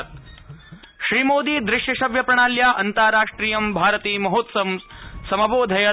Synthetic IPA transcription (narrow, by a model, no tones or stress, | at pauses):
ʃɾiːmoːd̪iːd̪ɾɪʃjɐʃɐʋjɐpɾɐɳaːljaːʔɐnt̪aːɾaːʂʈɾiːjɐmbʱaːɾɐt̪iːmɐɦoːt̪sɐmsɐmɐboːd̪ʱɐjɐ